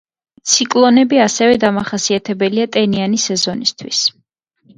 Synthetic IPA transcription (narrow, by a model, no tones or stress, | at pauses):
t̪sʰikʼlˠɔnɛbiasɛvɛd̪amaχasiat̪ʰɛbɛliat̪ʼɛnianisɛzɔnist̪ʰwis